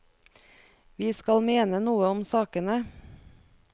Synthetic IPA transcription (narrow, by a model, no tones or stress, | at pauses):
ʋiːskɑlmeːnənuːəɔmsɑːkənə